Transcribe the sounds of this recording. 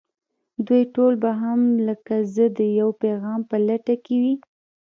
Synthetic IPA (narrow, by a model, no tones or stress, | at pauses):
d̪ujʈolbaɦamləkazəd̪əjawpeɣɑmpəlaʈakewi